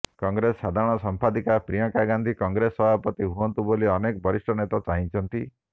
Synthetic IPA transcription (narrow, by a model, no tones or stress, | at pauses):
kɔŋɡɾesːad̪ʱaɾɔɽ̃ɔsɔmpʰad̪ikapɾijɔ̃ŋkaɡand̪ʱikɔŋɡɾesɔbʱapɔt̪iɦuɔnt̪uboliɔnekɔbʱɔɾisʈʰɔnet̪ɔt͡ʃaɦĩt͡ʃʰɔnt̪i